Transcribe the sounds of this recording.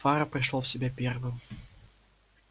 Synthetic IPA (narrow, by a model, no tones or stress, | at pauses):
faɾəpɾʲɪʂlˠofsʲɪbʲapʲervɨm